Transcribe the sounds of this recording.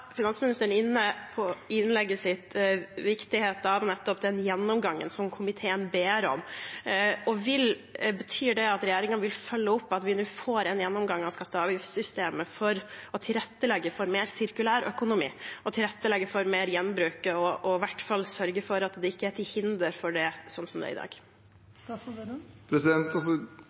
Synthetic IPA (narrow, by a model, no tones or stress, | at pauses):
fɪnɑnsmɪnɪst̪əɳɪnːəpʰɔɪnlɛɡːəsɪt̪ʋɪkt̪ɪheːt̪əɑʋnɛt̪ːɔpd̪ɛnjɛnːɔmɡɑŋːə̰nsɔmkʰʊmɪt̪ʰeːənbeːɾɔ̰m | ɔʋɪl | bət̪ʰyːɖɛɑt̪ɾɛjæːɾɪŋənʋɪlfœlːəʊpːɑt̪ʋɪnʉːfoːɾɛnjɛnːɔmɡɑŋːɑʋskɑt̪ːəɑːʋjɪfsʏst̪eːməfɔɾɔt̪ʰɪlɾɛt̪ːəlɛɡːəfɔɾmeːɾsɪɾkʉlæːɾœ̰kʊnʊmḭːɔt̪ʰɪlɾɛt̪ːəlɛɡːəfɔɾmeːɾjɛnːbɾʉːkəɔʔɔʋæʈfɑlːsœɾɡəfɔɾɑt̪d̪ɛɪkːəæʈʰɪlhɪnd̪əɾfɔɖɛsɔnsɔmd̪̰ɪd̪ɑ̰ːɡ̪ | pʰɾɛsɪd̪ɛnt̪ɑsɔ